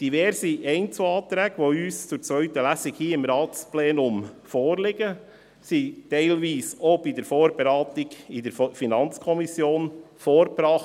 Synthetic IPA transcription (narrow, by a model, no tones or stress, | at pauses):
d̥iʋɛɾsiʔɛɪnt͡suɑːt̪ɾɛːɡ̥əʋoyːst͡sʊɾt͡sʋœʏt̪əlæsɪkhiːɪmɾɑːtsplɛːnʊmfoːɾlɪɡə | sitɛɪlʋiːsobidəɾfoːɾb̥eɾɑːt̪ɪɡɪd̥əɾfinɑnt͡skʰɔmisjoːnfoːɾbɾɑːχ